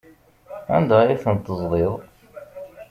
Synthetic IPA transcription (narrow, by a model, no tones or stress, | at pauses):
æ̰nd̪æiθənt̪ːəzˤlˤeðˤ